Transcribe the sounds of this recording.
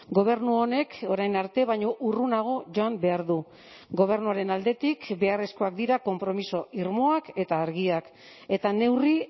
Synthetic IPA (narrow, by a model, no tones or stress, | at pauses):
ɡo̞β̞e̞ɾnuone̞kʰo̞ɾajnaɾt̪e̞β̞ajɲo̞ʔurunaɣ̞o̞ʝo̞ambe̞aɾðu | ɡo̞β̞e̞ɾnuaɾe̞nald̪e̞t̪ikbe̞are̞sko̞ak̚d̪iɾako̞mpɾo̞miso̞ʔiɾmo̞ake̞t̪aːɾɣiak | e̞t̪ane̞wri